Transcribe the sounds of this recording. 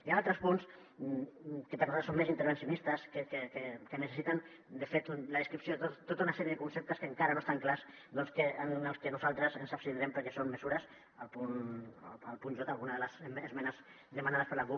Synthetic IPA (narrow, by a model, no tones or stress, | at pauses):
ianalˠt̪ɾəspuns | kəpəɾnualt̪ːɾsomezint̪əɾβ̞ənsiunist̪əskekekekənəsesit̪an | d̪əfet̪unləðəskɾipsiot̪ot̪ːot̪aunasɛɾjəðəkunsep̚t̪əskəŋkaɾɐnoest̪aŋklas | d̪ɔnskəənəlˠskənuzalˠt̪ɾəzənsapst̪inɾɛmpəɾkɛsonməzuɾəs | alˠpun | alˠpunʒot̪alˠɣunəðələzːzmɛnəz | ðəmanaðəspəɾlaβu